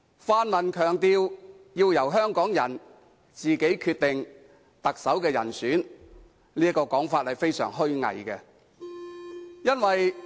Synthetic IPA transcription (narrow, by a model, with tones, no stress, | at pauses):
faː˧nmɐ˨nkʰœː˨˩ŋt̪iː˧w | jiː˧wjɐ˨˩wɦœː˥ŋkɔː˨˥ŋjɐ̰˨˩n | t͡siː˨ke˨˥jkʰyː˧t̚t̪ɪ˨ŋ | t̪ɐ˨k̚sɐ˨˥wkɛː˧jɐ̰˨˩nsyː˨˥n | liː˥ɐ˥kːɔː˧kɔː˨˥ŋfaː˧t̚hɐ˨jfe˥jsœ̰ː˨˩ŋɦɵ˥ɥŋɐ̰˨˩jkɛ˧ | jɐ˥nwɐ˨j